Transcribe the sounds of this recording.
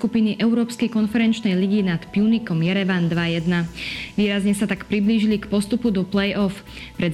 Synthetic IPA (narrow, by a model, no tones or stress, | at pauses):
kupiniʔɛʊɾɔːpskɛjkɔnfɛɾɛnt͡ʃnɛjliɡinat̪pjunikɔmjɛɾɛʋand̪ʋajɛd̪naʋiːɾazɲɛsat̪akpɾibliːʒilikpɔst̪upud̪ɔplɛjʔɔf | pɾɛd̪